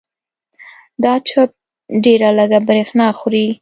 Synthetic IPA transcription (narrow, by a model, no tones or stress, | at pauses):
d̪ɑt͡ʃəp̚ | ɖeɾaləɡabɾexnɑxɾi